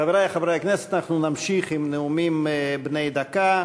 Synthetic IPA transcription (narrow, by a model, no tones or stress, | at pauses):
aveɾajaχavɾajakneset̪anaχnunamʃiχimneumimbnejd̪aka